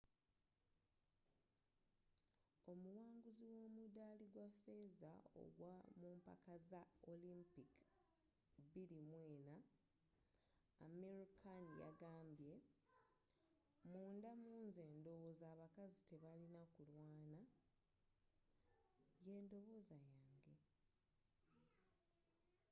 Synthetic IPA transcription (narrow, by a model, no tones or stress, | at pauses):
o̞muwaːŋɡuziwo̞ːmudaːliɡwafe̞zao̞̰ɡwamuːmpa̰kazaolimpik | biɾimwe̞ːna | meɾikʰanja̰ɡaːmbje̞ | muːndamuːnze̞ːndo̞βozaːβakazite̞βalinakulwaːna | je̞ːndo̞βo̞zajaːŋɡe̞